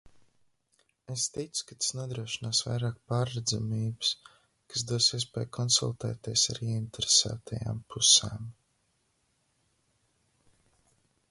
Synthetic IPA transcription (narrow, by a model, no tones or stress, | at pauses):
est̪it̪sʊ̥kat̪ḁsnuɔd̪ɾuɔʃinaːsva̰jɾaːk̚paːɾːɛd̪zamiːbɨ̥s | kasd̪uɔsiɛs̬pʲɛːjkʰɔnsṵlˠt̪ɛ̰ːt̪iɛsaɾiɛint̪eɾesæ̰ːt̪ʰaja̰ːmpʰusɛ̰ːm